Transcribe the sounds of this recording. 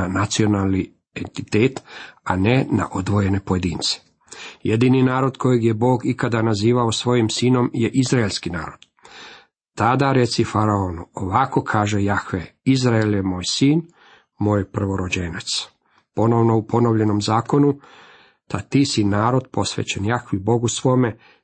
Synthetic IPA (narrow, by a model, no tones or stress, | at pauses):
nat̪sio̞nalˠni | ent̪i̥t̪eːt̪anena̰ʔod̪ʋo̞je̞ne̞poje̞d̪iːnt̪se̥ | je̞d̪ininaːɾo̞d̪kʰo̞jeɡjebo̞ːɡikad̪anaziːʋaosʋo̞jimsiːno̞mjeʔizɾaelʲskina̰ːɾo̞d̪̥ | t̪ad̪aɾe̞t̪sifaɾaonuoʋako̞kʰaːʒe̞jaxʋeizɾaeljemo̞ːjsiːn | moːjpr̩ʋo̞ɾo̞d͡ʑenat̪s | po̞no̞ʋno̞upo̞no̞ʋʎe̞no̞mzaːko̞nu | t̪at̪isinaːɾo̞d̪po̞sʋḛt͡ɕenjaxʋibo̞ɡusʋo̞me̞